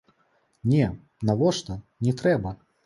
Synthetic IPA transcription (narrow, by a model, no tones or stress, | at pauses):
nʲɛ | navɔʂt̪ɐnʲɛt̪ɾɛbɐ